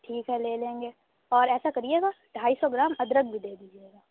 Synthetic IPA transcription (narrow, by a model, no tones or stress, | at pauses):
ʈʰiːkɦɛleːlẽːŋɡeː | ɔːɾɛːsakɐɾid͡ʒeːɡa | ʈʰaːisɔɡɪɾaːmɐd̪ɾək̚bʱid̪eːd̪iːd͡ʒieːɡaː